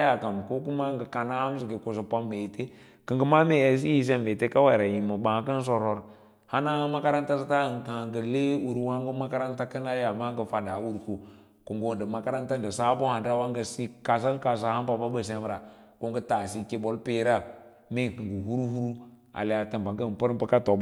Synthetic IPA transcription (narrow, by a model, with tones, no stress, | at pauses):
ja˨ka˨m˨ko˦ku˦ma˦ŋɡə˨ka˨na˦m˦si˨ɡe˨ko˨sə˨pa˦mbe˨te˦ | kə˨ŋɡə˦ma˦me˨e˨s̬i˦ji˦˨s̬e˦mbe˨te˦ka˦wa˦˨ɾa˨ji˨mə˨bã˨˦kə˦n˦s̬o˨ɾo˨ɾ | ha˦na˦ma˦ka˦ɾa˦nta˦sa˦ta˦˨ŋ˨ka˨ŋɡə˨le˦wu˨ɾwa˦ŋɡə˦ma˦ka˦ɾa˦nta˦kə˦na˦ja˨ma˦ŋɡə˨fa˨da˨˦wu˦ɾku˨ | ku˨ŋɡo˦˨də˨ma˨ka˦ɾa˦nta˦n˨də˨sa˦bo˦ha˨nda˦wa˦ŋɡə˨si˦ka˨s̬a˦ŋka˨s̬a˨ha˦mpa˨ba˦bə˨s̬e˦m˦ɾa˨ | ko˦ŋɡə˦ta˨si˦ke˦bo˨lpe˦ɾa˦ | me˦˨kɨ˨ŋɡə˨hu˦ɾu˦hu˦ɾu˦ | a̰˨le˨a˨ta˨mba˨ŋɡə˦˨pə˦ɾpə˦ka˦to˨